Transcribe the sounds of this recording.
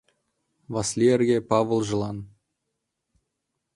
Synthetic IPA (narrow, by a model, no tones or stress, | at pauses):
vɑsʲlʲierʲɡʲepɑʋɤ̆lˠʒɤ̆lˠɑn